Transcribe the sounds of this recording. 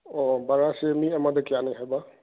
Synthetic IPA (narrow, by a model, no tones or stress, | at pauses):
ɔbaɾasemiamad̪ɯkijanajɦajba